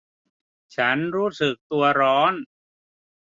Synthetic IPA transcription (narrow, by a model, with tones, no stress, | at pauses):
t͡ɕʰa˦˥nɾuː˦˥sɯ˨˩k̚t̪u˧ɐɾɔː˦˥n